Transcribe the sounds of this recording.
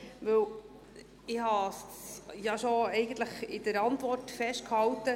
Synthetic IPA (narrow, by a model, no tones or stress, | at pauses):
ʋɵw | ɪhɑsjɑʃoɛɪɡənt̪ləχɪdəɾɑntʋɔrtfɛʃt̚khɑwtə